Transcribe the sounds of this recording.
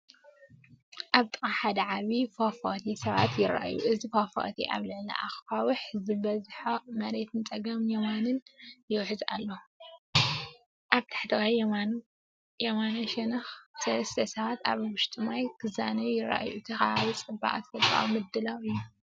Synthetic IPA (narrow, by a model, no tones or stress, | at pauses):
ʔaβt̪ʼɨkʼaħad̪ɐʕaβifafo̰t̪ʰisɐβa̰t̪jɪɾa̰ʔa̰jṵʔɨzifafo̰ʔt̪ʰḭʔa̰βlɨʕlɐ̰ʔa̰xfawɨħzɨbɐzħomɐɾe̞t̪ʰɨnt͡sʼɐɡɐmjɛmanɨnjɪwħɨza̰lːo | ʔaβt̪ʰḁħt̪ʰɨwajɛmanu | jɛmanoʃɛnɐxsɐlɐst̪ʰɐsɐβat̪a̰βwʊʃt̪ʼʰɨmajkʰɨzanɐjɪɾa̰ʔa̰jut̪ʰɐxaaβit͡sʼɨba̰ʔa̰t̪fɐlkʼa̰wmɨd̪ːɨlawɨjːu